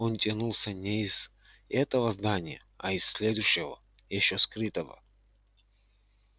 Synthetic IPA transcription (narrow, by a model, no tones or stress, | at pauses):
ont̪ʲɐnulˠsʲənʲɛiz̥ | ɛt̪əvəzd̪anʲɪjə̰ | ɐisːʲlʲed̪ʊjɕːɪvə̰ | jɪɕːoskɾɨt̪əvə̰